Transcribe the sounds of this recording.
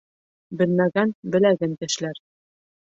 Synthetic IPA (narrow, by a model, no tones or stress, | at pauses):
bɘ̆lmæɡænbɘ̆læɡɘnt̪ɘ̆ʃlæɾ